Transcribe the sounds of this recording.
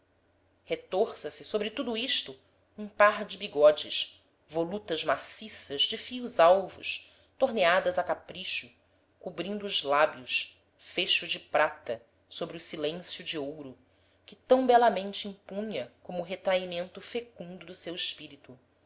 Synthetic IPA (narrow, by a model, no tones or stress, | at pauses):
het̪oɾsɐsɪsobɾɪt̪ud̪uiʃt̪ʊ | ũpaɾd͡ʒɪbiɡɔd͡ʒɪʃ | volut̪ɐʒmasisɐzd͡ʒɪfiʊzawvʊ̰ʃ | t̪oɾnead̪ɐzɐkapɾiʃʊ | kubɾĩnd̪ʊːzlabjʊʃ | feʃʊd͡ʒɪpɾat̪ɐ | sobɾɪʊsilẽsjʊd͡ʒiowɾʊ | kɪt̪ɐ̃w̃bɛlɐmẽnt͡ʃɪĩpũɲɐkõmʊːɦet̪ɾaimẽnt̪ʊfekũnd̪ʊd̪ʊsewɪʃpiɾit̪u